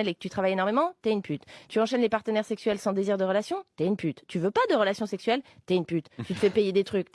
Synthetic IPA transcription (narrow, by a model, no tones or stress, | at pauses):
ɛlekə̥t̪yt̪χavajenɔʁmemɑ̃t̪yaynpyt̪t̪yɑ̃ʃɛnlepaʁt̪ənɛʁsɛksɥɛlsɑ̃d̪eziʁd̪əʁəlasjɔ̃t̪yaynpyt̪ːyvøpad̪əʁəlasjɔ̃sɛksɥɛlt̪yaynpyt̪t̪yt̪ə̥fɛpejed̪et̪χyk